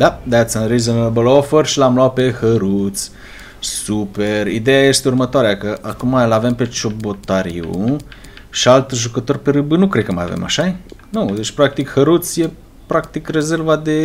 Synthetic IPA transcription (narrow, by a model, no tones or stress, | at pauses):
d̪ad̪at̪sənɾizənəbəlofərʃilamlawpehəɾut̪s | supeɾid̪ejaest̪urmət̪aɾeakəʔakumalavempet͡ʃobot̪aɾḭṵ | ʃalt̪ʒukət̪orpeɾəbɨnukɾekːəma̰ja̰vḛma̰ʃaenud̪et͡ʃpɾak̚t̪ikhəɾut̪sje | pɾak̚t̪ikrezeɾvad̪e